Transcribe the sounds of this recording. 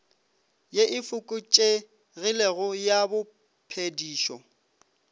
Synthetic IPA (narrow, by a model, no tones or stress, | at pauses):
jeʔɪfʊkʼʊt͡ʃʼe | rɪleɣʊjabʊ | pʰediːʃɔ